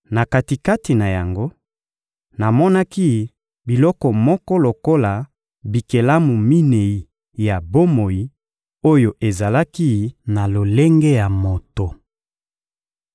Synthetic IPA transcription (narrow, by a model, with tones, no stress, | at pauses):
na˨ka˨ti˨ka˦ti˨na˨ja˨ŋɡo˦ | na˨mɔ˦na˦ki˦ | bi˨lɔ˦kɔ˨mɔ˦kɔ˦lo˨ko˦la˨ | bi˨ke˨la˦mu˨mi˦ne˨i˨ | ja˨bo˦mo˨ji˦ | o˦jo˨ʔe˨za˨la˦ki˦na˨lo˨le˦ŋɡɛ˦ja˨mo˨to˨